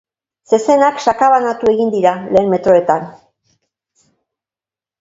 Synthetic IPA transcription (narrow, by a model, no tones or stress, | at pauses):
se̞se̞nakʃakaβanat̪ue̞ɣind̪iɾale̞ːnme̞t̪ɾo̞e̞t̪an